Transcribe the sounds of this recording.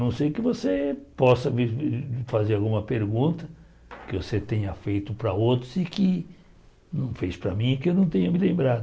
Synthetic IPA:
nɐ̃w̃sejkɪvosepɔsɐvifazeɾawɡũmɐpeɾɡũnt̪ɐ | kɪvoset̪ẽɲɐfejt̪ʊpɾɐowt̪ɾʊzikɪ | nɐ̃w̃fespɾɐmĩɪkɪewnɐ̃w̃t̪ẽɲɐmɪlẽmbɾad̪ʊ

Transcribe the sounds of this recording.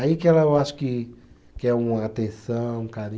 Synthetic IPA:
aikɪɛlɐewaʃʊ̥kɪ | kɪɛũmɐat̪ẽsɐ̃w̃ũkaɾĩ

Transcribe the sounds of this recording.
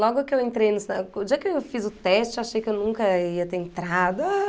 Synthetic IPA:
lɔɡʊkɪewẽnt̪ɾejnʊsaʊd͡ʒiɐkɪeewfizʊt̪ɛst͡ʃɪewaʃejkɪewnũŋkɐiɐt̪eɾẽnt̪ɾad̪ɐ

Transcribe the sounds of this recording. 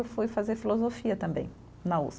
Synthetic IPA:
wfujfazeɾfilozofiɐt̪ɐ̃bḛ̃j̃ | nɐṵs

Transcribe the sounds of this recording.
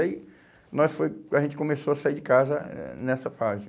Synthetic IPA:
i | nɔjsfojɐʒẽnt͡ʃɪ̥kõmesoɐsaid͡ʒɪkazɐɛ̰nɛsɐfazɪ

